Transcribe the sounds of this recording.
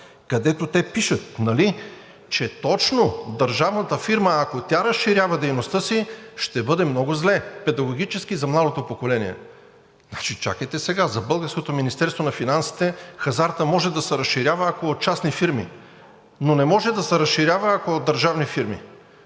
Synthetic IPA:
kɐd̪ɛt̪ot̪ɛpiʃət̪̚nɐli | t͡ʃɛt̪ɔt͡ʃnod̪əɾʒavnət̪əfiɾməːkot̪ʲaɾɐsʃiɾʲjavɐd̪ɛjnost̪ɤsiʃt̪ɛbɤd̪ɛmnɔɡʊzlɛpɛd̪ɐɡoɡ̟it͡ʃɛsk̟izɐmlˠad̪ot̪opokolɛnḭɛ̰ | znat͡ʃit͡ʃa̰kəjt̪ɛsɛɡazɐbɤlˠɡəɾskot̪ominist̪ɛɾst̪vonɐfinansi̥t̪ɛxɐzaɾt̪əmɔʒɛd̪ɐsɛɾɐsʃiɾʲjavəːkoːt̪̚t͡ʃasnifiɾmḭ | nonɛmɔʒɛd̪ɐsɛɾɐsʃiɾʲjavəːkod̪d̪əɾʒavnifiɾmḭ

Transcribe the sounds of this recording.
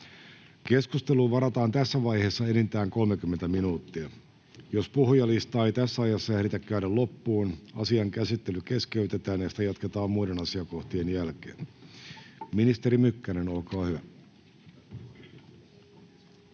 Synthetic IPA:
ke̞skust̪e̞luːʋɑɾɑt̪ɑːnt̪æsːæʋɑjhe̞ːsːɑe̞nint̪æːŋko̞lmekymːent̪æminuːt̪ːiæ | jo̞spuhujɑlist̪ɑːejt̪æsːæɑjɑsːɑeɾit̪ækːæyɾælo̞pːuːnɑsiɑŋkæsit̪ːe̞lyke̞ske̞yt̪e̞t̪æːnjesi̥t̪æjɑt̪ket̪ɑːmmuide̞nɑsiɑko̞ht̪ienjælkḛːn | minist̪e̞ɾimykːænenolkɑːhyʋæ

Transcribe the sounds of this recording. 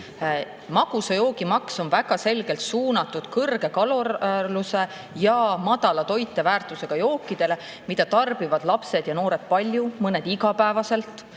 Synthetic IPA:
mɑɡ̥usejo̞ːɡ̥imɑkso̞nvæɡ̥ɑse̞lɡ̥e̞lt̪suːnɑt̪ːˑud̪̥kɤrɡ̥e̞kɑlorluse̞ | jɑmɑd̪̥ɑlɑt̪o̞jt̪ːˑe̞væːrt̪ˑuse̞ɡ̥ɑjo̞ːkːid̪̥e̞le̞ | mid̪ɑt̪ɑrb̥ivɑd̪̥lɑpse̞d̪̥jɑno̞ːɾe̞d̪̥̚pɑlʲjumɤne̞d̪iɡɑpæevɑse̞lt̪ˑ

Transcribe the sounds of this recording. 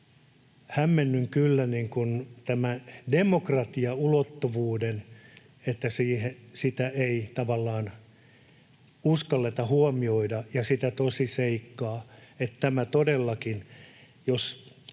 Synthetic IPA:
hæmːenːyŋkylːæniŋkunt̪æmædemokrɑt̪iɑulot̪ːoʋuːden | et̪ːæsiːhesit̪æeit̪ɑʋɑlːɑːn | uskɑlːet̪ɑhuomioidɑjɑsit̪æt̪osiseikːɑːet̪t̪æmæt̪odelːɑkin | jos

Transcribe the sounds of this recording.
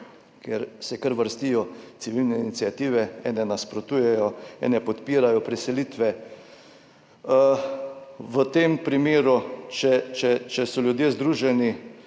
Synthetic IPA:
kɛɾsɛkəɾʋəɾst̪ijɔt̪siʋilnɛinit̪siat̪iːʋɛɛ̰ːnɛnaspɾot̪uːjɛjɔɛ̰ːnɛpɔt̪piːɾajɔpɾisɛlit̪ʋɛ | ʋət̪eːmpɾimeːɾut͡ʃɛt͡ʃɛt͡ʃɛsɔlʲjud̪jeːzd̪ɾuːʒɛni

